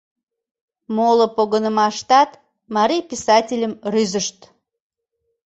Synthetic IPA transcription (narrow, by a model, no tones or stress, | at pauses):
molopoɣənəmɑʃt̪ɑt̪ | mɑɾijpisɑtʲilʲəmryzəʃt̪